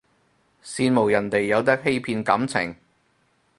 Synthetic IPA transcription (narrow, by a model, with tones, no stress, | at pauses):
siː˧nmo˨˩wjɐ˨˩nt̪e˨jːɐ˨˧wt̪̬ɐ˥k̚ɦe˥jpʰiː˧nkɐ˨˥mt͡sʰɪ̰˨˩ŋ